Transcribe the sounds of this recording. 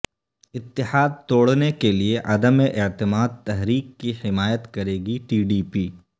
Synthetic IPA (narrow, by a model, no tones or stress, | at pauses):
ɪt̪ːɪħaːd̪̚t̪oːɽnekelieʔɐd̪əmeʔɪt̪ɪmaːd̪̚t̪ɐɦɾiːkːihɪmaːjət̪kɐɾeːɡiʈiːɖiːpiː